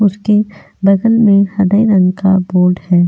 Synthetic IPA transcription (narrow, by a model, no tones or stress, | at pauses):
ʊske | bɐd̪əlmẽhɐd̪əiɾənkaboːɾɖhɛː